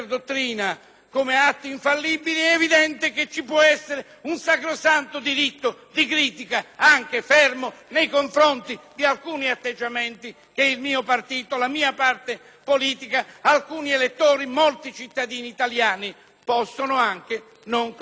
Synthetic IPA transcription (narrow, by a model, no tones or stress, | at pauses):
rd̪ot̪ːɾiːna | komeat̪ːiiɱfalːibiliɛevid̪ɛnt̪ɪket͡ʃːipwɔɛsːeɾe | unsakɾosant̪ʊd̪iɾit̪ːʊd̪ikɾiːt̪ikaaŋk̟efɛrmonejkoɱfɾont̪id̪ialkuːniat̪ːed͡ʒːamɛnt̪i | keilmiːopart̪iːt̪olamiːapart̪e | poliːt̪ikaalkuːnielet̪ːoːɾimolt̪it͡ʃit̪ːad̪iːniːt̪aljaːni | pɔsːonʊaŋk̟ɪ | noŋ